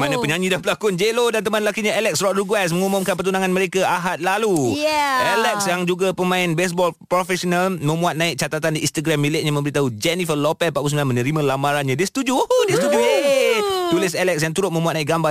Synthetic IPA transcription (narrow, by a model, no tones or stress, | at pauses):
manapəɲãɲĩdanpəlakʊnd͡ʒelodant̪əmanlakiɲaɛlɛk̚srɔʔɾuɡwɛs̬məŋumʊmkanp̬ərt̪unaŋanməɾekaaɦat̪̚laluʔɛlɛk̚sjaŋd͡ʒuɡapəmãɪnbɛs̬bɔlpɾofɛsɔnalmə̃muat̪̚nãɪk̚t͡ʃat̪at̪andiist̪aɡɾamːilɪʔ̚ɲamə̃bəɾit̪aɦud͡ʒɛnifəlopɛpaʔpus̬mlanmənəɾimə̃lamaɾanɲãdiəsə̥t̪ud͡ʒuohodiəst̪ud͡ʒujet̪ulɪsɛlɛk̚sjaŋt̪uɾʊt̪̚mə̃mũat̪̚nãɪkɡamba